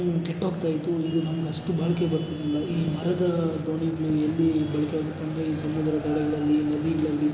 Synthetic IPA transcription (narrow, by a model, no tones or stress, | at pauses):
keʈːaːɡt̪aːjit̪uid̪unɐmɐɡeɐsʈubʱaːɭɐke̞bɐɾt̪inilːɐiːmɐɾɐd̪ɐd̪oːɳiɡɐɭielːibɐɭikeaːɡut̪ːeɐnd̪ɾeiːsɐmɐd̪ɾɐt̪ɐɽɛɡɐɭɐlːinɐd̪iɡɐɭɐlːi